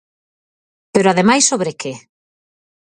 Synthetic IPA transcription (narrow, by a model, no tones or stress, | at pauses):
peɾoaðemajsoβɾeke